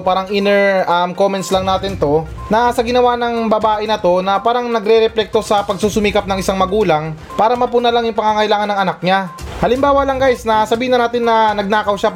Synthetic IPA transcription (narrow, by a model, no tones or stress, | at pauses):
paːɾɐŋɪnɛɹɐmko̞mɛnt̪slɐŋnaːt̪ɪnt̪o̞ | nɐsɐɡɪnɐwanɐŋbɐbaːʔɪnɐt̪o̞nɐpaːɾɐŋnɐɡɾɛɾɛplɛk̚t̪o̞sɐpɐɡ̚suːsʊmiːkɐp̚nɐŋɪsaŋmɐɡuːlɐŋ | paːɾɐmɐpʊnalaŋjʊŋpɐŋaŋɐjlaːŋɐnɐŋɐnak̚ɲahɐlɪmbaːwɐlɐŋɡajsnɐsɐbiːhɪnɐnaːt̪ɪnːɐnɐɡ̚naːkɐwʃa